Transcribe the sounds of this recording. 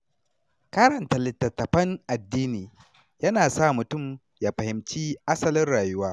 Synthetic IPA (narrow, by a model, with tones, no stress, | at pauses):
kɐ˦ɾɐ˨ntɐ˨lɪ˨tːɐ˨tːɐ˨ɸɐ˦ŋʔa˨dːiː˦niː˨ | jɐ˦naː˨sa˦˨mʊ˨tʊ˦˨m | jaː˨ɸɐ˨hɪ˨mt͡ʃiː˦ʔa˦sɐ˦˨lɪ˦nɽaː˨jʊ˦waː˦